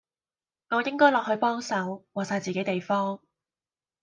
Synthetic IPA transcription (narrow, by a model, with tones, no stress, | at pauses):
ŋɔː˨˧jɪ˥ŋkɔː˥jlɔː˨k̚hɵ˧ɥpɔː˥ŋsɐ˨˥wwaː˨k̚saː˧jt͡siː˨ke˨˥jt̪e˨jfɔː˥ŋ